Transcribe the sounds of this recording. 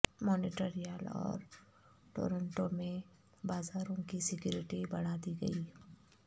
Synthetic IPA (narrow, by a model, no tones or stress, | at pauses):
mɔːnɪʈeɾijəlɔ̰ːɾ | ʈo̰ːɾə̃ɳʈomẽ | baːzaːɾõkisɪkjʊːɾɪʈibɐɽ̤ad̪iɡə̰iː